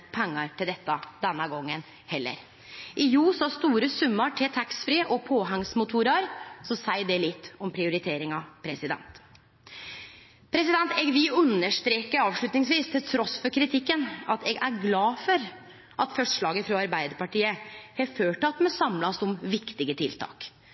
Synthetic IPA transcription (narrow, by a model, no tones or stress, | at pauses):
pʰɛŋːɑɾt̪ʰɪld̪ɛt̪ːɑd̪ɛnːəɡɔŋːən | hɛlːə̰ɾ | ʔɪjuːsɔɑst̪uːɾəsʉmːɑʈʰɪt̪ʰæksfɾiːʔɔpʰoːɦæŋsmʊt̪ʰuːɾɑɾsɔsæɪɖ̪ɛlɪt̪ːɔmpʰɾɪʊɾɪt̪ʰeːɾɪŋɑpʰɾɛsɪd̪ɛ̰nt̪ | pʰɾɛsɪd̪ɛnt̪ɛɡʋɪʉnːəʂt̪ɾeːkəɾɑːʋʂɭʉt̪nɪŋsʋiːst̪ʰɪlt̪ʰɾɔsfɔɾkʰɾɪt̪ʰɪkːənɑt̪ɛɡʔæɾɡlɑːfɔɾ | ʔɑt̪fœʂʂɭɑːɡəfɾɔɑɾbæɪd̪əɾpɑʈiːəhɛføːʈɑt̪ːmɛsɑmlɑsɔmʋɪkt̪ɪɡət̪ʰɪlt̪ʰɑ̰ːk